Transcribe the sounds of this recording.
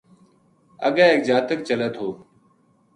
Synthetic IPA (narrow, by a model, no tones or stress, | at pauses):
ə̰ɠãːeːk̚d͡ʒaːt̪ək̚t͡ʃələt̪ʰɦoː